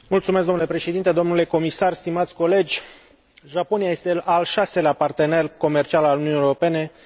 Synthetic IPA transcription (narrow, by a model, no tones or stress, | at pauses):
mult̪sumeskɡ̪onulepɾe̞ʃed̪int̪e̞d̪o̞mnule̞ko̞misarst̪imat̪sʲko̞le̞d͡ʒʲ | ʒapo̞nijaje̞st̪e̞lalʃase̞leapart̪e̞ne̞rko̞mert͡ʃialalununijeoro̞pe̞ne̞